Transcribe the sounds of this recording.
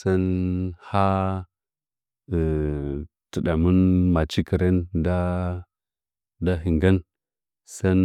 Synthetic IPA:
sa˦nha˦˨ | tə˨ɗa˨mu˦nma˨t͡ʃi˦ki˨ɾe˦nda˦ | da˦ɦi˨ŋɡa˦n | sa˦n

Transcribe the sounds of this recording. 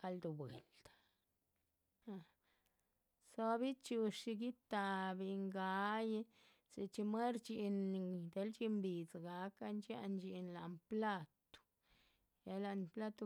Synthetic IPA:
ɡa˧ld̪u˨bwḛ˨ld̪̥a˨ | ha˧ | so˦bi˦t͡ʃu˧ʂi˧ɡi˦t̪a˧bi˧ŋɡa˧˦je˦ | si˧t͡ʃi˧mwe˦ɾt͡ʃi˧nd̪e˧˦lt͡ʃi˦˧mbi˨t͡sɡa˨˦ka˧nt͡ʃja̰˦˧nd͡ʒi˧nla˨mpla˦t̪u̥˨ | ja˧la˧npla˦t̪u˧

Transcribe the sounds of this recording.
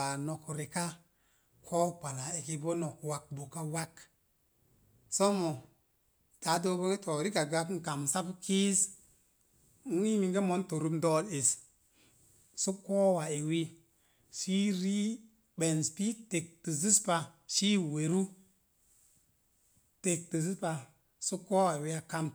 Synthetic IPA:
a˨no˨kɾe˨ka˦ | kʰo˦k͡pa˨la˨e˨ki˨bo˦no˨kwa˨k̚bo˨ka˦wa˦k | so˦mo˨ | ta˨˦do˦bo˦ŋe˦to˨ɾi˦ka˨ɡa˦kŋ̩˦˨ka˨msa˦pki˦z | u˦ŋi˦mi˨ŋɡe˦mo˨˦nto˨ɾu˦mdɔ˦le˨s | su˦koː˦wa˨e˨wi˦ | ʃi˦ɾi˦ | ɓe˨n˨spi˦te˨k̚ti˨zi˦spa˧ʃiː˦we˨ɾu˦ | te˨k̚ti˨zi˦spa˨ | su˦ko˦wa˨e˨wi˦a˦ka˦m

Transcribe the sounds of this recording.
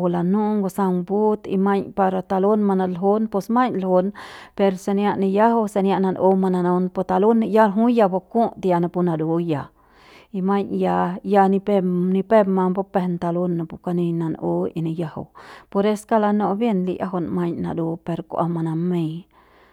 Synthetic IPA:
la˧nũ˦ŋɡo˧sa˧mbu˦t̪ḭ˧ma˧ɲpa˧ɾa˧t̪a˧lo˦nma˧na˧lɦo˦npo˧sma˦ɲlho˧npe˧ɾse˧nja˧ʔni˧ja˦ɦo˦wse˧nja˧ʔna˧nʔo˧ma˧na˧no˧˦npo˧t̪a˧lo˦n˧ja˦ɾɦu˦ja˧bo˧ku˦ʔt̪ja˧na˧pu˧na˧d̪u˨ja˨ | i˧ma˦ɲja˧ja˧ni˧peni˧pe˦ma˧mpo˧pe˧nt̪a˧lo˦nːa˨pu˧ka˧ni˧na˧no˦ḭ˧ni˧ja˧ha̰˧wpo˧ɾe˦ska˦la˧no˧bje˦˧nlḭ˧jʔa̰˦ɦo˧nma˧ɲna̰˧d̪u˧pe˧ɾkʷʔa̰˧ma˧na˧me˧j

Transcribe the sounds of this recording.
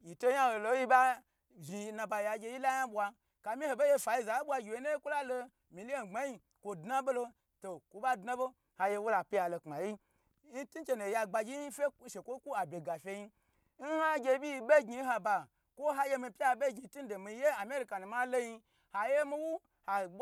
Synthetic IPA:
ji˨to˦ja˦ho˨lo˧˦ji˦ba˦ | ʒi˧˨na˧˨ba˧ja˧ɡʲe˧ji˦la˦ja˦bʷa˧ | ka˨mĩ˦ho˧be˦je˧fa˨ji˦˧za˨˦bʷwa˧ɡʲi˨we˨˦no˦je˦kʷu˦la˦lo˧ | mi˨li˦o˨n˨ɡ͡ba˦ji˧ | kʷo˨dna˦bo˦lo˧ | to˨kʷo˧˦ba˦dna˦bo˦ | ha˧je˧wu˦la˨pʲi˦ja˨lo˧k͡pa˨ji˦ | ni˦tu˦t͡ʃe˧no˨ja˧ɡ͡ba˧ɡʲi˦fʲe˦ʃe˨kʷo˦kʷu˦a˨bʲe˨ɡa˨fʲe˧ji˧˦ | n̩˦ha˦ɡʲe˧˦bʲi˦˧be˦ɡi˧˦ɦa˧ba˨ | kʷo˦ɦa˦je˧mi˧pʲi˦a˧˦be˦ɡi˧˦tu˦n˦do˨mi˧˦je˦a˨mʲ˦e˦ɾi˨ka˨nu˨ma˦lo˦ji˧ | ha˨je˦mi˦wu˦ | ha˨˦

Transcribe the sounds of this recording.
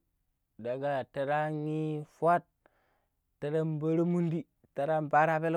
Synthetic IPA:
da˨ɡa˨ta˨ɾa˦i˦fʷa˦t̚ː | a˨ɾa˦mba˦ɾo˦mu˦ndi˦ | ta˨ɾa˦mba˦ɾa˦be˦l

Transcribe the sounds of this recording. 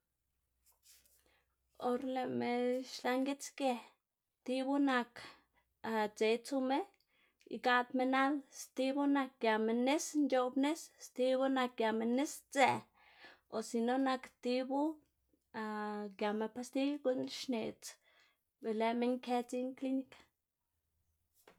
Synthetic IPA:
o˧ɾle˧me˧ʃla˧ŋɡe˦t͡ske˧ | t̪i˧bu˦na˧k | t͡se˨˧jt͡su˧me˦ | ḭ˧ɡa˦d̪me˧na˦lst̪i˦bu˦na˧k̚ɡja˨me˧ne˦snt͡ʃo˧bne˦sst̪i˦bu˦na˧k̚ɡja˨me˧ne˦st͡se˧ | o˨si˧no˦na˧kt̪i˦bu˦ | a˧ɡja˨me˧pa˧st̪i˦ɡu˦nʃne˨t͡s | be˨le˧˨me˧˦ŋke˧t͡si˦ŋkli˦ni˧kḁ˨

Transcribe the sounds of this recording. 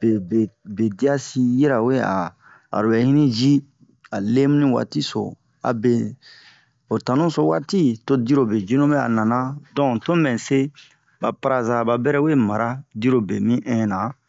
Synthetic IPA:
be˨be˨be˨di˦a˦si˧je˦ɾa˨we˦a̰˨ | a̰˨ɾo˨bɛ˨˦hĩ˦nĩ˦d͡ʒi˦ | a˨le˦mũ˦nĩ˦wa̰˨ti˦so̰˨ | a̰˨be˨ | o˨tã˨nũ˦so˦waː˦ti˦to˦di˦ɾo˨be˨d͡ʒi˦nũ˦bɛ˦a̰˨nã˨nã˦dɔ̃˨to˦mɛ̃˨se˦ | ba˨pa˦ɾa˨za˨ba˨bɛ˦ɾɛ˦we˦ma˨ɾa˦di˦ɾo˨be˨mĩ˦ʔɛ̃˦nã˨

